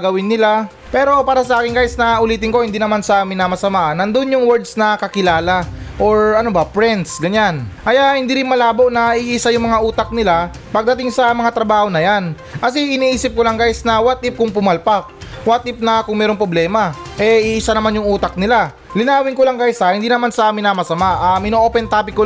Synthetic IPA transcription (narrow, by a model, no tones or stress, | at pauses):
ɡɐwɪnːɪla | pɛːɾo̞paːɾɐsɐʔaːkɪŋɡaːjsnɐʔʊliːt̪ɪŋko̞hɪnd̪iːnɐmansɐʔaːmɪnːɐmɐsɐmaːʔɐnɐnd̪onjʊŋwɛɹd̪snɐkɐkɪlaːlaʔoɹɐnobɐpɹɛnt̪sɡɐɲanʔɐjahɪnd̪iːɾɪnmɐlaːboʔnɐʔiʔːsajʊŋmɐŋaʔuːt̪ɐk̚nɪla | pɐɡ̚d̪ɐt̪ɪŋsɐmɐŋat̪ɾɐbaːho̞nɐjan | kɐsiʔɪniːʔiːsɪp̚kolaŋɡaːjsnɐwat̪̚ʔɪp̚kʊŋpʊmalpak̚wat̪ʔɪp̚nɐkʊŋmɛːɾo̞ŋpɾoblɛːmɐʔɛʔiʔɪsanɐmanjʊŋʔuːt̪ɐk̚nɪla | lɪnaːwɪŋkolaŋɡajsahɪnd̪iːnɐmansɐʔaːmɪnːɐmɐsɐmaʔamɪnoʔoːpɛnt̪aːpɪkːo